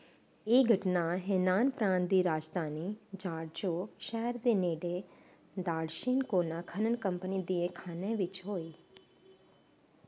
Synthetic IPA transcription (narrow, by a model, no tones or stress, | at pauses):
eɡʱəʈnaɦenaːnpɾãːnd̪iɾaːd͡ʒd̪ʱaːnid͡ʒaːɽd͡ʒoʃɛɦɛɾd̪eneːɖe | d̪aːɽʃinkonakʰənəɳkəmpnid̪iẽkʰaːneʋɪt͡ʃɦoːi